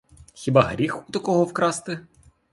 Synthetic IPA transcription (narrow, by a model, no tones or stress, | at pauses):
xʲibɑɦɾʲixut̪ɐkɔɦɔwkɾɑst̪ɪ